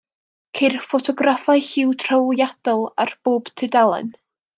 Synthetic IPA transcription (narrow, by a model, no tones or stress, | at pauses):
kʰerfɔtʰɔɡrafajhɪwtʰr̥awjad̥ɔlˠarb̥oːb̥tʰɪdalˠə̰n